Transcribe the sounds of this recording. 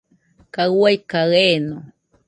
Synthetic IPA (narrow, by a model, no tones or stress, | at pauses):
kawajkaɣeno